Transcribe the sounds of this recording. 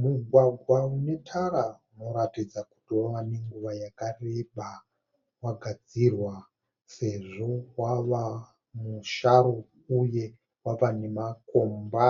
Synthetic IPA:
muɡʱwaɡʱwaune̞tʰaɾauno̞ɾatid͡zaku̥tiwaʋaneŋɡuʋajakarebʱa | waɡʱad͡zirwa | se̞ʐo̞waʋa | muʃaɾo̞ | uje̞ | waʋanemakomba

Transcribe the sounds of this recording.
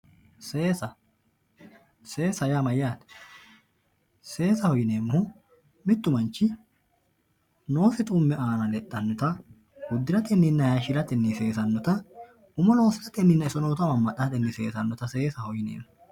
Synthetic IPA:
eːsɐ | se̞ːsɐjaːmɐjaːt̪ɛ̥ | se̞ːsɐhɔjɪneːmːʊhʊ | mɪt̪ːʊmɐnt͡ʃːɪ | no̞ːsɪt̪ʼʊmːɛʔaːnɐlɛt̪ʼːɐnːɔt̪ɐ | ɡʊd̪ːɪɾɐt̪ɛnːɪnːɐjaʃɪɾɐt̪ɛnːise̞ːsɐnːɔt̪ɐ | ʊmɐno̞ːsɪlɐt̪ɛnːɪnːɐɪsɔnoːt̪ɐmɐmːɐᶑɐt̪ɛnːɪse̞ːsɐnːɔt̪ɐseːsɐhɔjɪnḛːmːʊ

